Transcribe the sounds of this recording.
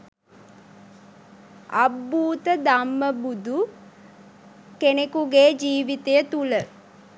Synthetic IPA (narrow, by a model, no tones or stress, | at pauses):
a̰bːuːt̪əd̪amːəbud̪ʱu | kenekuɡeːd͡ʒiːʋit̪ejət̪ulə